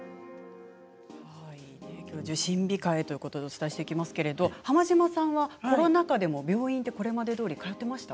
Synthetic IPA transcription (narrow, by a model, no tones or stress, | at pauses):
haid̪ekʲo̞ːd͡ʑɨɕĩmbʲikaet̪o̞jiɯ̟ko̞t̪o̞d̪e̞ot͡sɨ̥t̪aiɕi̥t̪e̞ikʲimasɨ̥ke̞ɾe̞d̪o̞hamaʑimasãɰ̃βako̞ɾo̞nakad̪e̞mo̞bʲo̞ːĩnt̪e̞ko̞ɾe̞mad̪e̞d̪oːɾʲikajo̞t̪ːe̞maɕi̥t̪a